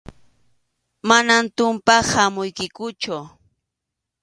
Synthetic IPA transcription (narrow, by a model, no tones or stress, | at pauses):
manant̪ʊmpahamʊjkɪkʊt͡ʃʊ